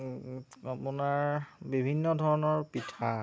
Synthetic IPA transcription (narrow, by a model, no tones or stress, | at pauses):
apʊnaɹbibʱinːɔdʱɔɹɔnɔɹpitʰa